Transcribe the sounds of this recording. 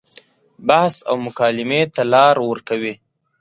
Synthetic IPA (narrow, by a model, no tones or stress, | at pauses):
bahsa̰wmʊkɑːlɪmet̪alɑɾwəɾkawi